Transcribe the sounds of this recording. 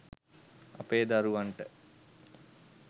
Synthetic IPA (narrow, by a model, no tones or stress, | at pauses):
ɐ̰peːd̪aɾuʋaɳʈə